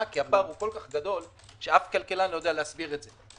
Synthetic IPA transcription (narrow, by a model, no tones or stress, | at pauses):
kiapaʁuko̞lkaχɡad̪o̞l | ʃeafkalkelanojod̪ealeasbiʁetze